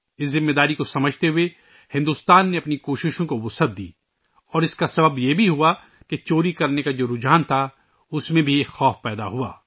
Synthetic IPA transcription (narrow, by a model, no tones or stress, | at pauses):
ɪszɪ̃mːeːd̪aːɾikosɐməd͡ʒʱt̪eɦʊe | hɪ̃nd̪uːst̪aːnːeɐpnikoːʃɪʃõkoʋʊsɐd̪̚d̪ḭː | ɔːɾɪskasɐbəbjebʱiɦua | ket͡ʃoːɾikɐɾnekad͡ʒoːɾʊd͡ʒaːnt̪ʰa | ʊsmẽbʱixɔːfpɛːd̪a̰ɦua̰ː